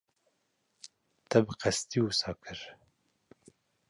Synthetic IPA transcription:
t̪ɛbɨqɛst̪iwusɑːkʰɨɾ

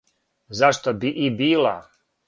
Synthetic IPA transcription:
zaʃt̪obiʔibiːlˠa̰

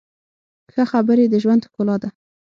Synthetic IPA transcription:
xəxabəɾed̪əʒwand̪hkolɑd̪a

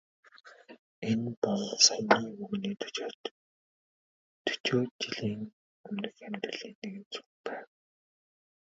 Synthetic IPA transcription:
enpɔɮsajniːŋɵɣniːt̪ʰɵ̥t͡ɕoːt̪ | t̪ʰːɵ̥t͡ɕoːt͡ɕiɮiːŋ | ɵmnɘ̆xæmt̪rə̆ɮiːnːeɣɘ̆nt͡su̥xpæːw

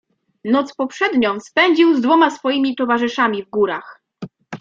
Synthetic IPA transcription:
nɔt̪spɔpʂɛd̪ɲɔ̃w̃spɛɲd͡ʑiwzd̪vɔmasfɔjimʲit̪ɔvaʐɘʂamʲivɡuɾax

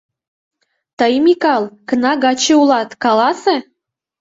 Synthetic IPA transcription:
t̪əjmikɑlˠkənɑɣɑt͡ɕeulɑt̪kɑlɑse

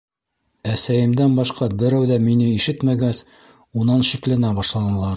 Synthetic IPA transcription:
æsæjɘ̆md̪ænbɑʃqɑbɘ̆ɾæwðæminɘiʃɘt̪mæɡæs | unɑnʃiklænæbɑʃlˠɑnɤ̆lˠɑɾ

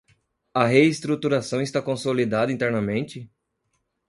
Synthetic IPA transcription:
ɐɦeist̪ɾut̪uɾasɐ̃w̃ɪst̪akõsolid̪ad̪ɐĩt̪ɛɾnɐmẽnt͡ʃɪ

